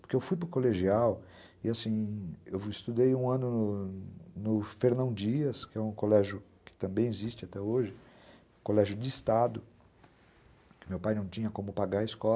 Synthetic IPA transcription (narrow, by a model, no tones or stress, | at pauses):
poɾkeewfujp̬ɾʊkoleʒiaw | ɪasĩewɪst̪ud̪ejũɐ̃nʊnʊ | nʊfeɾnɐ̃w̃d͡ʒiɐskɪɛũkolɛʒjʊkɪ̥t̪ɐ̃mbẽj̃ezist͡ʃɪat̪ɛoʒɪ̃ | kolɛʒjʊd͡ʒɪːst̪ad̪ʊ | kɪmewpajnɐ̃w̃t͡ʃĩɲɐkõmʊpaɡaɾɐɪskɔ